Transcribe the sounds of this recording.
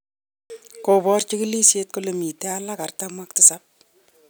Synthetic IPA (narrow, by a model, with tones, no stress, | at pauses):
ko˨bɔ˦rt͡ʃi˦ki˦li˦sje˦t̚kolo˨mi˨te˦alaka˨rtamwa˦k̚tɪsap̚